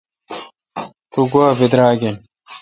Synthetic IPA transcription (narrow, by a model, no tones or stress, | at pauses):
t̪uɡwaːbid̪ɾaːɡen